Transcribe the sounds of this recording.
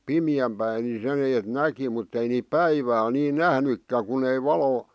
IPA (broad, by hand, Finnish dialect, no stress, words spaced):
pimiæm pæi ni sen eːt næki mutː ei niːp pæiʋæːl niː næhnykːæ kun ei ʋɑlo